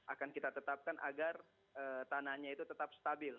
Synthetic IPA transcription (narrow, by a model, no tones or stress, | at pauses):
ʔakankit̪at̪ət̪ap̚kanʔa̰ɡar | əːt̪anahɲait̪ut̪ət̪ap̚st̪abɪl